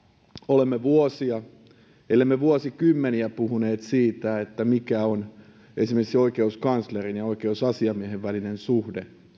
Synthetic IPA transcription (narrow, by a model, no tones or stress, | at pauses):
olemːeʋuosiɑ | ḛlːemːeʋuosikymːeniæpuhuneːt̪siːt̪æet̪ːæmikæon | esimerksioikeuskɑnslerineoikeusɑsiɑmieheʋʋælinensuhde